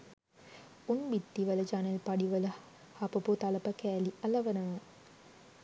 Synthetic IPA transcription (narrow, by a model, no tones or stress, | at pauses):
unbit̪ːiʋələd͡ʒanelpaɖiʋələ | hapəput̪alɐpəkæːliɐlɐʋənɐʋə